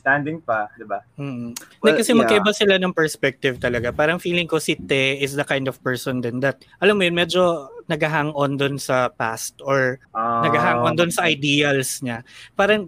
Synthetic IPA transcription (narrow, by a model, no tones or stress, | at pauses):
st̪and̪ɪŋpɐd̪ɪbam̩ːʔ̩̪ɐkɐsɛmɐkɐʔɪbasɪlanɐŋpɛɹspɛk̚t̪ɪvt̪ɐlɐɡapaːɾɐŋfiːlɪŋkosɪt̪ɛɪsd̪ɐkajnd̪ɔvpɛɹsɔnd̪ɛnd̪ɐt̪̚ʔɐlamːojonmɛd͡ʒo̞nɐɡɐɦaːŋʔond̪onsɐpa̰st̪ʔoɹnɐɡaɦaːŋʔond̪onsɐʔɐjd̪iːɐlsɲapaːɾɐŋ